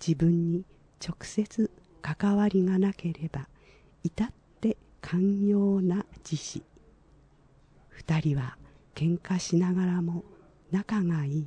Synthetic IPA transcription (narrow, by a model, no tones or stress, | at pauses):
d͡ʑibɯ̟̃ɲ̟ːi | t͡ɕo̞kɯ̟̥se̞t͡sɨ | kakaβaɾʲiŋanake̞ɾe̞ba | it̪at̪ːe̞ | kʰãɰjo̞ːnad͡ʑiɕi | ɸɯ̟̥t̪aɾʲiβa | kẽ̞ŋkaɕinaɡaɾamo̞ | nakaŋaiː